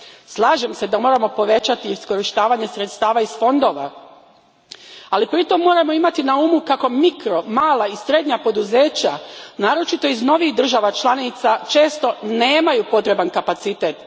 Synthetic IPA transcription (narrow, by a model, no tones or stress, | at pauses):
slˠaːʒe̞mse̞d̪amo̞ɾamo̞po̞ʋe̞t͡ɕat̪iisko̞ɾiʃt̪aːʋaɲe̞sɾet̪st̪aːʋaisfo̞nd̪o̞ːʋa̰ | alipɾit̪o̞mːo̞ːɾamo̞imat̪inaumukako̞mikɾo̞maːlaisɾe̞d̪ɲapo̞d̪uze̞ːt͡ɕanaːɾo̞t͡ʃit̪o̞izno̞ʋixd̪r̩ʒaʋat͡ʃlˠanit̪sat͡ʃe̞ːst̪o̞neːmajupo̞t̪ɾe̞bankapat̪sit̪eːt̪